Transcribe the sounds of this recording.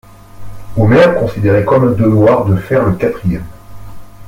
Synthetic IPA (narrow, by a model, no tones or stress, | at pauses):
omɛʁkɔ̃sid̪eʁekɔməd̪əvwaʁd̪əfɛʁləkat̪χijɛm